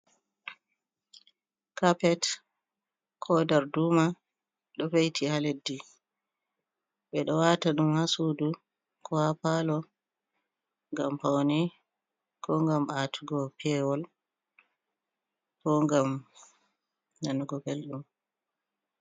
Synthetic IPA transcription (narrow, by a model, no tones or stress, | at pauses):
kapɛt | kʰɔdaɾduːma | ɗɔfejtʰihaledːi | ɓɛɗɔwataɗumhasudu | kʰɔhapalɔ | ŋɡampawnɛ | kɔŋɡamʔatʰuɡɔpʰɛwɔl | kɔŋɡam | nanuɡɔbelɗum